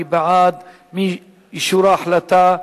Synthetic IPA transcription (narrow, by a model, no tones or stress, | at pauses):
ibaʕaːd̪ | mi | jʃuɾˤɑːħlat̪a